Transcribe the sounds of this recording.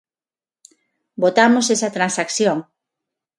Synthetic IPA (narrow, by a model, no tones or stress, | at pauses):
bot̪amosesɐt̪ɾansakθjoŋ